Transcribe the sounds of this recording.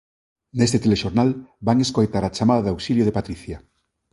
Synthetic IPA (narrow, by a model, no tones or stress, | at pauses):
nest̪et̪eleʃoɾnalbaŋeskojt̪aɾat͡ʃamaðaðawsiljoð̞epat̪ɾiθja